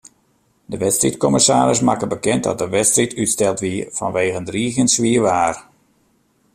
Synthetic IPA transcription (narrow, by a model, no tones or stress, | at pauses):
dəʋɛtstrḭtkɔmɪsaːɾɪs̬makəbəkɛnt̚dɔ̰t̚dəʋɛtstritʰytstɛlˠtʋifɔ̰nʋeːɣəndriːxjənsʋiəʋaːr